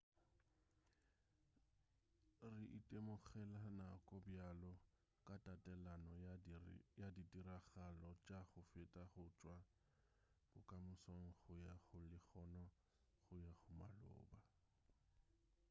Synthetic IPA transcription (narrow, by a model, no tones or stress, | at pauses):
rɪʔitʼemʊχɛlanakʼɔbjalɔ | kʼatʼatʼɛlanɔ | jadidiɾaɣalɔt͡ʃʼaχʊfɪtʼaχʊt͡ʃʼwa | b̥ʊkʼamʊsɔŋ̩χʊjaχʊlɪχɔnɔ | χʊjaχʊmalʊ̰ːba